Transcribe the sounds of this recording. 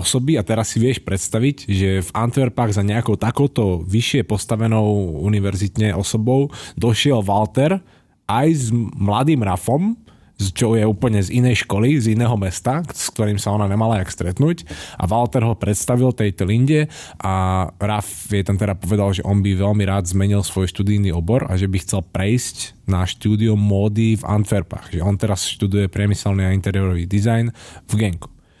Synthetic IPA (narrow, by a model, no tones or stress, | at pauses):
ɔsɔbiat̪ɛɾasːiʋɪɛʃpɾɛt̪st̪aʋiɟʒɛvant̪ʋɛɾpaːɣzaɲɛakɔʊt̪akɔʊt̪ɔʋiʃɪɛpɔst̪aʋɛnɔʊuniʋɛɾzit̪ɲɛʔɔsɔbɔʊd̪ɔʃɪɛlʋalt̪ɛɾ | ʔajzmlad̪iːmɾafɔm | st͡ʃɔʊjɛuːpl̩ɲɛzinɛjʃkɔlizinɛːɦɔmɛst̪aksk̚t̪ɔɾiːmsaɔnaɲɛmalaakst̪ɾɛt̪nuːcʔa̰ʋalt̪ɛɾɦɔpɾɛt̪st̪aʋilt̪ɛjt̪ɔliɲɟɛ | ʔaɾafʋɪɛt̪ant̪ɛɾapɔʋɛd̪alʒɛʔɔnbiʋɛʎmiɾaːd̪zmɛɲilsʋɔjʃt̪ud̪iniɔbɔɾa̰ʒɛbixt͡sɛlpɾɛjscnaʃt̪uːd̪iumːɔːd̪iva̰nt̪fɛɾpa̰ɣʒɛɔnt̪ɛɾasʃt̪ud̪ujɛpɾɪɛmisɛlniːaint̪ɛɾɪɛɾɔʋiːd̪izajnvɡɛŋku̥